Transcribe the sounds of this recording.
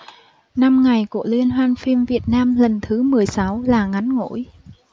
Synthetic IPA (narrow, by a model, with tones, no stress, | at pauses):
na˧mŋa˨˩jku˧˩əlwi˧ənɦwaː˧nfi˧mvi˨˩ət̚naː˧mlə˨˩nt̪ʰɨ˨˦mɨ˨˩əjsa˨˦wlaː˨˩ŋa˨˦nŋo̰˧˥˨j